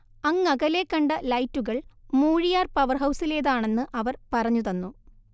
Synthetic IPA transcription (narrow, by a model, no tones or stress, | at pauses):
ɐŋːɐɣɐle̞kːɐɳɖɐlɐjtːuɣɐɭmuːɻijaːrpɐʋɐrɦɐwsile̞ːðaːɳe̞nːɨʔɐʋɐrpɐrɐɲːuðɐnːu